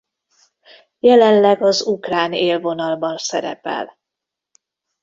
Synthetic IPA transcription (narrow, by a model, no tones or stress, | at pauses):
jɛlɛnlɛɡɒzukraːneːlvo̞nɒlbɒnsɛɾɛ̰pɛ̰l